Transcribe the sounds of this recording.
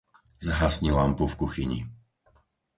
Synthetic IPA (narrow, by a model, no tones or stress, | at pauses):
zɦasɲilampufkuxiɲḭ